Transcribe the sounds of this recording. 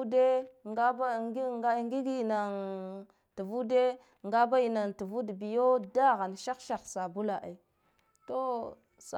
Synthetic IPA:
u˦de˦a˦ba˦ɡa˦ŋɡi˦ɡi˦˨na˨ŋ | tu˨vu˦de˦ | ŋɡa˦ba˦i˨na˨ntu˨vu˦dbi˨jo˦da˦ɣa˨n˨ʃa˦kʃa˨xsa˨bu˦la˨ʔe˨ | to˦ | sa˨

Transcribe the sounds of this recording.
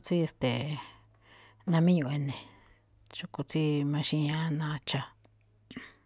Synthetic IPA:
t͡si˦e˧st̪e˨ | nã˧mĩ˦ɲũ˧˨e˧nẽ˨ | t͡ʃu˧ku˧t͡si˦mã˧ʃĩ˧ɲã˦nã˧t͡ʃa˧

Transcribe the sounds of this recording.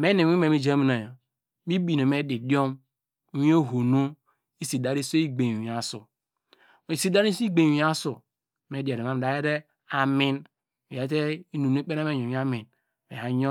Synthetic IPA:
me˦ne˨˦i˦me˨mi˦d͡ʒmi˦na˨jo˨ | mi˦bi˨ne˨me˦di˨do˦m˦ | wi˦o˦ɦo˨no˦ | i˦si˨da˦ɾi˦so˦i˦ɡ͡be˨i˨a˨sṵ˨ | i˨si˦da˦ɾi˦si˦ɡ͡be˨˦a˦su˨ | me˨˦di˨a˨ɾe˨ma˦m˨da˨je˦ɾe˦ | a˨mi˦n | mi˨a˨˦te˦i˦nu˨n˦e˦k͡pe˦ɾe˦me˦ɲ˨o˨i˦a˦mi˨n | mḛ˨a˨˦ɲo˦

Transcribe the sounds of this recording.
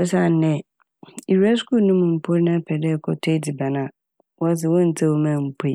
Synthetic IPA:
ɛ˦sa˦˨n̩˨nɛ̃˨ | i˨ɾa˦sku˦nũ˦m̃˨m̩˨pʰo˦ɾnã˦pʰɛ˨dɛ˦˨kʰɔ˦tʰe˦di˨ba˨nã˨ | wɔ˦s̬ɪ˨wɔ̃˦n̩˨tʰa˦wo˦mã˦˨m̩˨pʰi˦˨

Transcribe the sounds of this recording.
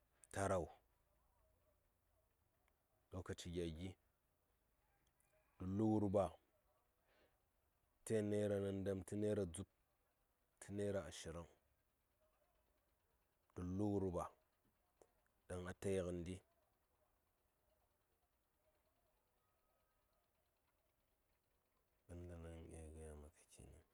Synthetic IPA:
ta˦ɾa˨wu˨ | do˦ka˨t͡ʃi˨ɡʲa˨ɡʲi˦ | d̥u˨lu˦ɡu˦ɾba˨ | te˦ne˦ɾa˨na˨nda˦mti˦ne˦ɾa˨d͡zu˦p̚ | tʰi˦ne˦ɾa˨a˨ʃi˨ɾa˦ŋ | d̥ə˨lu˦ɡu˦ɾba˨ | da˨ŋa˨ta˦jkə˨ndi˦ | ɗa˨˦n˦da˨na˦ŋ˨e˨ɡa˦ja˨ma˨kḁ˨t͡ʃḭ˨nḭ˨

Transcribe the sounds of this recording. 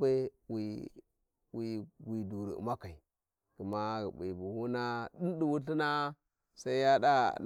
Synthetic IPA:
be˦wi˨ | wi˨wi˨du˨ɾḭ˨ṵ˨ma˦ka˨i˨ | kə˨ma˦˨bḭ˨bu˨hu˦na˦ɗi˦ndi˨wu˦ɬi˦na˦ | sa˦i˦ja˦da˦˨n

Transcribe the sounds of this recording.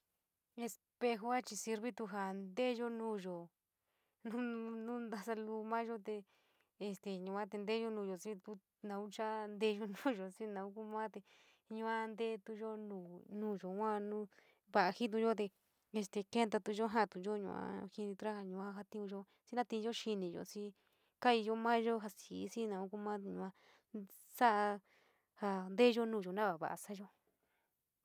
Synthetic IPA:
e˧s | pe˧xo˦a˦t͡ʃi˧si˧ɾβi˦t̪u˧ɦa˨nd̪e˦ʒo˦nũː˧˦ʒo˨ | nũ˦nũ˦nd̪a˧sa˧lu˧mã˦ʒo˦t̪e˧ | e˧st̪e˨ɲũ˨˧ã˦t̪e˧nd̪e˦ʒo˧nũ˧ʒo˨si˧t̪u˧ | nã˧u˦t͡ʃa˦nd̪e˧˦˧ʒo˧nũː˦ʒo˨si˧nã˨˧u˦ku˦mã˦t̪e˧ | ɲũ˧ã˧nd̪e˦t̪u˧ʒo˦nũː˧˨nũː˦ʒo˨wã˦nũ˦ | βa˧˨a˧hĩ˦t̪̬u˧ʒo˦t̪̬e˧ | e˧st̪e˧ke˦nt̪a˧t̪u˧ʒo˦ɦã˦˨t̪u˧ʒo˦ɲṵ̃˧ʔã̰˧˦hi˧nĩ˧t̪u˧a˦ha˧ɲũ˧ã˦ɦa˧t̪ĩ˦ũ˧ʒo˦ | t͡si˦nã˦t̪ĩ˧ʒo˦ʃi˧nĩ˨ʒo̰˨si˧˦ | ka˦i˧jo˦mãː˦ʒo˦ɦa˧si˨˦si˦nã˨˧u˦ku˦˧mãː˦˧ɲũ˧ã˧ | sa˦ʔa˧ | ha˧nd̪e˦˧ʒo˦nũː˦˨ʒo˨nã˦βa˨βa̰˨ʔa̰˧sa˦ʒo˦

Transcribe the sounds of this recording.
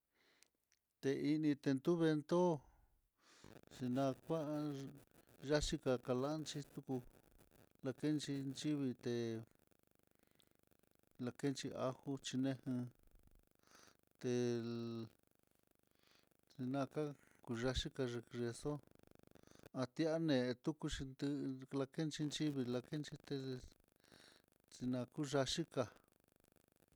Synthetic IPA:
t̪e˧i˧nĩ˧t̪e˧nt̪u˦βe˧nd̪o˦ | t͡ʃi˧nã˧kʷa˦˧ | ʒa˦ʃi˦ka˧ka˧la˦nt͡ʃi˦t̪u˧ku˧ | la˧ke˦nt͡ʃi˧nt͡ʃi˦βi˧t̪e˧ | la˧ke˦nt͡ʃi˧ʔa˦hu˦t͡ʃi˧nẽ˦hĩ˧ | t̪e˧ | t͡si˧nã˧ka˦ | ku˧ʒa˧ʃi˦ka˧ʐe˧ʐe˧so˦ | a˧t̪i˧˦a˦nẽ˨˧t̪u˦ku˧t͡ʃi˧nd̪ɨ˧la˧ke˦nt͡ʃi˧nt͡ʃi˦βi˧la˧ke˦nt͡ʃi˧t̪e˧ | t͡si˧nã˧ku˦ʒa˧ʃi˦ka˧˨

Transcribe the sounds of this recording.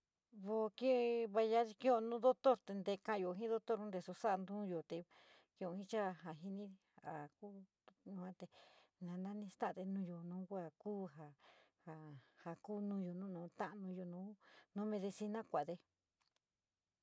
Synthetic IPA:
βo˧kĩ˦˧βa˧ja˦i˧kĩ˦õ˧nũ˦d̪o˦t̪o˦ɾt̪e˧nd̪e˧kã˧ʔjo˨ɦĩ˦ðo˦t̪o˦ɾd̪e˧so˧sa˦ʔnd̪ũ˦jo˨t̪e˨ | kĩ˧õ˧hĩ˦t͡ʃa˦ɦa˨ɦi˧nĩ˦˧a˨ku˦ | nũ˧ã˧t̪e˧˨nã˨˧nã˦nĩ˧st̪a˦˧d̪e˧nũː˦˧jo˨nũː˨˦kʷa˧kuː˦ɦa˨ha˧˨ha˨ku˦nũ˦jo˨nũ˦nũː˨˦t̪ã˦ʔnũ˧jo˨nũː˨˦nõ˦mẽ˧ðe˧si˧nã˦kʷa˨ðe˧

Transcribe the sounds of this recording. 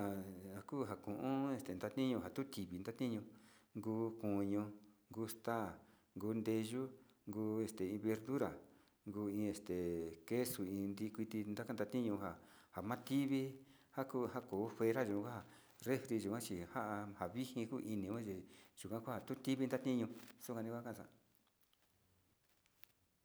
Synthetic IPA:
a˨a˨kuː˦˨ɦa˨kũ˨ʔũ˦e˧˨st̪e˨nd̪a˧t̪ĩ˦ɲũ˧ɦa˨t̪u˦t̪i˨βi˧nd̪a˦t̪ĩ˦ɲũ˧ŋɡuː˧ku˨ɲũ˧ŋɡu˧˦st̪aː˦˨ | ŋɡuː˧˦nd̪e˧ʒu˦ | ŋɡuː˧˦e˧st̪e˨ĩ˧βe˧ɾðu˦ɾa˨ | ŋɡuː˧ĩ˧e˧st̪e˨ke˦su˨ĩː˧nd̪i˧kʷi˧t̪i˧nd̪a˦ka˦nd̪a˧t̪ĩ˦ɲũ˧ɦa˨ | ha˨mã˦t̪i˦βi˦ | ha˦ku˦˧ɦa˦ko˨˦fe˧ɾa˦ʒu˨kã˧kʷa˦a˧˨ | re˦fɾi˧ʒu˨kã˦t͡ʃi˧ha˦ʔa˧ha˨βi˦hĩ˧ku˦ʔi˧nĩ˧wã˦t͡ʃi˨ʒ̥u˨kʷã˦ku˦a˨t̪u˦t̪i˦βi˧nd̪a˦t̪ĩ˦ɲũ˧su˦ka˧nĩ˧kʷkã˦˧sã̰˧

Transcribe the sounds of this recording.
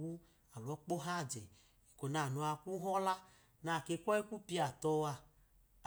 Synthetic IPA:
wu˦ | a˨lɔ˨˦k͡po˦ɦa˦˨d͡ʒe˨ | i˨ko˨na˨nu˧a˧ku˦ɦɔ˦la˦ | na˨ke˧˦kʷɔ˦e˦ku˦pi˦a˨tɔ˦a˧

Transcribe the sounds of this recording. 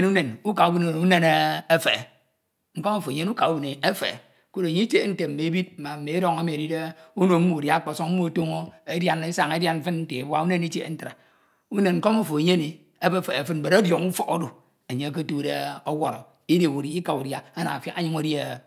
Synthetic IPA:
nu˦ne˨nu˦ka˨u˦bi˨n˨u˦ne˦ne˦e˦fe˨ | ŋ̩˦ko˦mo˦fo˨ɲe˦nu˦ka˨u˦bi˨ne˨e˦fḛ˨ | ko˦ɾo˨ɲi˦t͡ʃe˦n̩˦te˨m̩˨me˨e˦bi˦t̚m̩˨ma˨m̩˨me˨e˦ɾo˦˨ŋa˦mi˨ɾi˦de˦u˦no˨m̩˦mo˨da˦k͡po˨so˦ŋ̩˦mo˦a˨to˦ŋo˦e˦dja˦ne˦sa˨ŋe˦dja˦nm̩˦fɨ˦nn̩˦te˨e˨bwa˦u˦ne˦ni˦t͡ʃe˦˨n̩˦tɾa˨ | u˦ne˨nŋ̩˦ko˦mo˦fo˨e˨ɲe˦ni˨ | e˦be˦fe˨fɨ˦t̩̚˨e˨ɾo˦djo˨ŋu˦fo˦ko˦do˨ | e˨ɲe˦k̬o˦tu˦de˦o˦wɔ˨ɾo˨ | i˦de˨bu˨ɾi˦ka˨u˨dja˦a˦na̰˨fja̰˦a˦ɲi˦ŋo˨˦de˦˨

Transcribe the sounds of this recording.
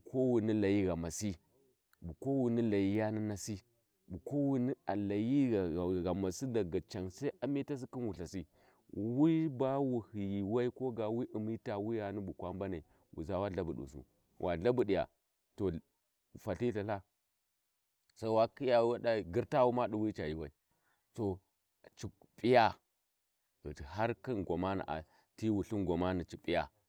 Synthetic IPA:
ko˦wu˨ni˦la˨ji˦ɣa˨ma˨si˦ | bu˨ko˦wu˨ni˦la˨ji˦ja˦ni˦na˨si˦ | bu˨ko˦wi˦ni˦a˨la˨ji˦ɣa˨ɣa˨ma˨si˦da˨ɡa˨t͡ʃa˨ŋsa˦i˦a˨mi˦ta˦s̬i˦ki˦nwu˨ɬa˨si˦ | wi˦ba˦wu˨hi˨ji˨wa˦i˦ko˦ɡa˨wi˦ʔi˨mi˦ta˨wi˦ja˨ni˦bu˨kwa˦mba˦na˨ | wʔṵ˨za˦wa˦ɮa˦bu˨ɗṵ˨s̬ṵ˨ | wʔa̰˨ɮa˦bu˨ɗi˨ja̰˨ | to˨ | fa˨ɬi˦ɬa˨ɬa˦ | sa˦i˦wa˦ki˦ja˨˦a˦ɗa˦˨ɡi˦ɾta˦wu˦ma˦ɗu˨wi˦t͡ʃa˨ji˨wa˦i˦ | to˨ | t͡ʃi˨ | pʼi˦ja˦˨ | i˨ha˦ɾki˦nɡʷa˨ma˦na̰˨ʔa̰˨ | ti˦wu˨ɬi˦nɡʷa˨ma˦ni˨t͡ʃi˨pʼi˦ja˨

